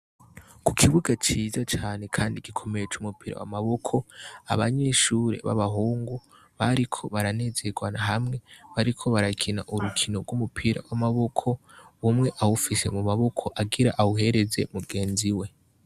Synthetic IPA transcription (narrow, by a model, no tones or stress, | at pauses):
ku̥kʰiβuɡat͡ʃiːzat͡ʃaːne̞kʰaːndiɡ̥ikʰo̞me̞jet͡ʃumupiɾa̰wa̰maβo̞kʰo̞a̰βaɲe̞ːʃuːɾe̞̰βa̰βaɦuːŋɡu | βaɾikʰo̞βaɾane̞ːze̞ɡwanaɦamŋe̞βaɾikʰo̞βaɾakʰina̰ʔuɾukʰino̞ɾɡwumupʰiɾa̰wamaβo̞kʰo̞wumŋe̞ʔawufise̞mumaβo̞kʰo̞ʔaɡiɾaʔawuɦe̞ɾe̞ze̞̰muɡe̞ːnziwe̞